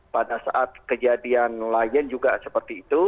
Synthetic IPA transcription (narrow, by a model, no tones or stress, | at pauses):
padasa̰ʔat̪̚kəd͡ʒadianlajənd͡ʒuɡasəpərt̪iːt̪u